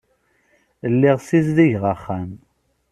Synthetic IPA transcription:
əlːiʁsizðiʝʁəχːæm

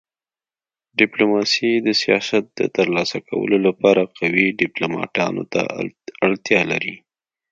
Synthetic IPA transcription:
ɖɪplomɑsid̪əsijɑsat̪̚d̪̥ə̰t̪əɾlɑsakawə̰lolapɑɾaqawiɖɪplomɑ̰ʈɑno̰t̪a̰aɽt̪jɑlaɾi

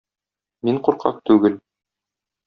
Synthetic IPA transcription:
miɴquɾqɑ̰q̚t̪ʉɡɘl

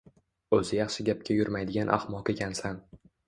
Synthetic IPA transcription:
ɵzɪjɑχʃɪɡʲap̚kʲʰajʊɾmajd̪ɪɡʲanʔa̰hmɒqe̞kʲʰansan

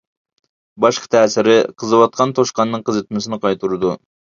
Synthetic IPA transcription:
bɑʃqʰɑ̥t̪ʰæːsɪɾɪqʰəzɨwɑt̪̚qʰɑnt̪ʰoʃqɑnːɨŋqʰɨzet̪mɪsɪnɪqʰɑjt̪ʰuɾɨd̪u

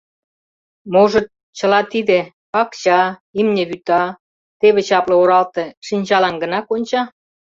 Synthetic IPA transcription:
moʒə̆t̪̚ | t͡ɕə̆lɑt̪id̪ĕ | ɑkt͡ɕɑimnʲĕβyt̪ɑ | t̪eβĕt͡ɕɑplŏoɾɑlt̪ĕʃinʲt͡ɕɑlɑnɡə̆nɑkonʲt͡ɕɑ

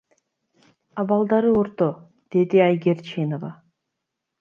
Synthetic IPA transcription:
ɑβɑlˠd̪ɑɾɯoɾt̪o | d̪̥e̞d̪iajɡʲeɾt͡ʃenovɑ

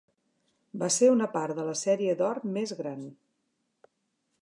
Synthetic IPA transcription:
baseunəpaɾðələsɛɾiəd̪ɔrmezɣɾan

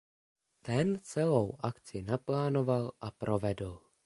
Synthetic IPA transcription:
t̪ɛnt͡sɛlowʔakt͡sɪnaplaːno̞valʔapɾʔo̞vɛdl̩

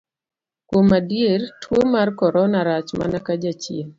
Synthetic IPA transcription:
kwomadjertʰwomarkɔɾɔnaɾat͡ʃma̰nakad͡ʒat͡ʃin

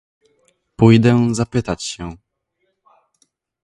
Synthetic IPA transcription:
pujd̪ɛzapɘt̪at͡ɕɕɛ

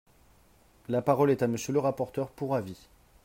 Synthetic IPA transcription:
lapaʁɔlɛt̪aməsjələʁapɔʁt̪œʁpuʁavi

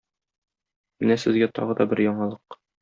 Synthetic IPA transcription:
mɘnæsɘ̆zɡæt̪ɒ̰ʁɤd̪ɒbɘɾjɒɴɑlˠɤq

